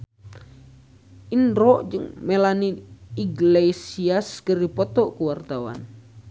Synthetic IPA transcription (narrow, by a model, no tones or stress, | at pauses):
ʔinɾɔʔd͡ʒɨŋmelaniiɡlesiaskərdipɔt̪ɔkuwart̪awa̰n